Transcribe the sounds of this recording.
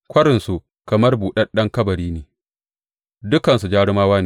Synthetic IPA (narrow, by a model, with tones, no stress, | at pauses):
kʷɐ˦ɾɪ˨nsu˨ | kɐ˨mɐ˦rbuː˨ɗɐ˦ɗɐ˦ŋkɐ˦bɐ˨ɾiː˦neː˨ | dʊ˦kɐ˨nsu˨d͡ʒaː˦ɽɪ˦maː˦waː˦neː˨